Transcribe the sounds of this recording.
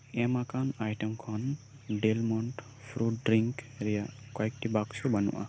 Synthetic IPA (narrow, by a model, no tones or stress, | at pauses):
ɛmakanajʈɛmkʰɔn | ɖelmɔnʈ | pʰɾuʈɖɾiŋkɾɛjaʔkɔjk̚ʈibaksɔbanʊ̰ʔa̰